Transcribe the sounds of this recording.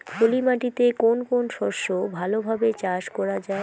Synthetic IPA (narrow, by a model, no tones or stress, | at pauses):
polimaʈit̪ekonkonʃɔɾʃobʱalobʱabet͡ɕaʃkɔɾad͡ʑae